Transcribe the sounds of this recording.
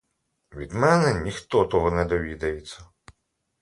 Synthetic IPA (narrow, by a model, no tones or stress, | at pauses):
ʋʲid̪mɛnɛnʲixt̪ɔt̪ɔɦɔnɛd̪ɔʋʲid̪ɐjet͡sʲːɐ